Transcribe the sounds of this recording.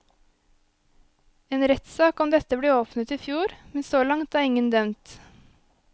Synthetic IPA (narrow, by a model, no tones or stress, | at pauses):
eːnɾɛt̪sɑːkɔmd̪ɛt̪əbleːoːpnət̪iːfjuːɾmɛnsoːlɑŋt̪æːɾɪŋənd̪œmt̪